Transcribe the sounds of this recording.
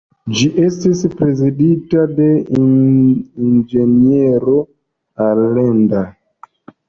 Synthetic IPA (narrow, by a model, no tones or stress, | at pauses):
d͡ʒiʔestispɾe̞ziditade̞ | ind͡ʒe̞nieɾo | aɾlenda